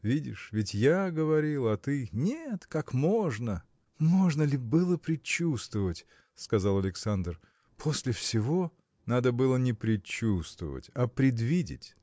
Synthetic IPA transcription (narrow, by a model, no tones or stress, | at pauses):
vʲidʲɪʂvʲɪtʲjaɡəvɐɾʲilˠɐt̪ɨnʲet̪kakmo̞ʐnə | mo̞ʐnəlʲɪbɨlˠəpɾʲɪt͡ɕːust̪vəvətʲ | skɐzalˠɐlʲɪksand̪r | pʰosʲlʲɪfsʲɪvo̞ | nad̪əbɨlˠənʲɪpɾʲɪt͡ɕːust̪və̰və̰tʲɐpɾʲɪd̪vʲidʲɪ̰tʲ